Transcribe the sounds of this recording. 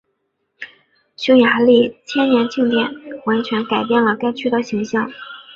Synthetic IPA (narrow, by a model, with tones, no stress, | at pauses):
ɕʊ˥ŋja˧˥li˥˩t͡ɕʰjɛ˥nnjɛ˧˥nt͡ɕi˥˧ŋt̪jɛ˨˩nwa˧˥nt͡ɕʰɥɛ˧˥nka˨˩ɪpjɛ˥˩nlə˩ka˥˧ɪt͡ɕʰy˥d̪ə˨ɕi˧˥ŋɕjɑ˥˩ŋ